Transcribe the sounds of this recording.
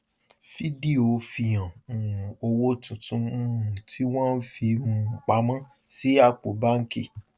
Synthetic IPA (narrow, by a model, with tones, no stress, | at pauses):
fi˦di˦o˨fi˧j̃ã˨ | o˧wo˦tũ˨tũ˧˦˧ũ˨tʰi˦w̃ɔ̃˦n̩˦fi˧mũ˦˧ŋ͡m̩˨k͡pa˨˦mã˦ | si˨˦a˦˧˨k͡po˨˦ba˦ŋ̩˦ki˦˨